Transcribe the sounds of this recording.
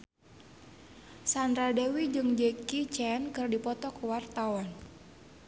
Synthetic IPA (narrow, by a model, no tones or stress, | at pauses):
sand̪ɾadewid͡ʒɨŋd͡ʒekit͡ʃɛnkɨrdipɔt̪ɔkwart̪awan